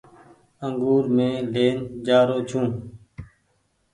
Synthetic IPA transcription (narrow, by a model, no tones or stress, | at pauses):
əŋɡuːɾmẽːleːnd͡ʒaːɾoːt͡ʃʰũː